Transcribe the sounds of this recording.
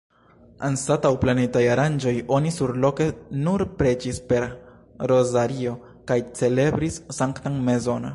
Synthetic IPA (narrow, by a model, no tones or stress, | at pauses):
anstatawplanetajaɾand͡ʒo̞jo̞nisuɾlo̞ke̞nuɾpɾe̞t͡ʃispe̞ɾ | ɾo̞zaɾio̞ | kajt͡se̞le̞bɾisːaŋktaŋme̞zo̞na